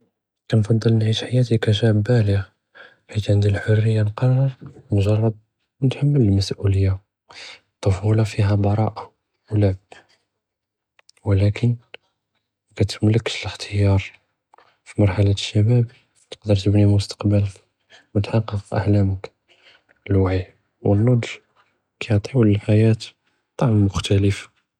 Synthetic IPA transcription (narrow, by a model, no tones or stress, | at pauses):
kænfɑd̪ˤːəlnʕit̪ħajæt̪ikæʃæbælja | ħit̪ʕənd̪ilħorːəjːanqɑrˤːɑɾmʒɑrˤːɑd̪̚ | nt̪ħamːələlmæsʔuləjːa | t̪ˤːɑfulɑfiɦæbɑɾˤɑʔa | wləʕb̚ | wəlækən | kæt̪əmləkːʃələxt̪ʰəjɑɾˤ | fimɑɾˤħalaʃːæbæb | t̪ə̥qd̪əɾt̪əbnimʊst̪ɑ̥qbələk | wət̪ħɑqːɑqʔə̰hlæmək | əlwaʕi | wənːod̪ʒ | kæjʕt̪ˤiwələlħajæt̪ | t̪ˤːɑʕmːʊxt̪æləfḁ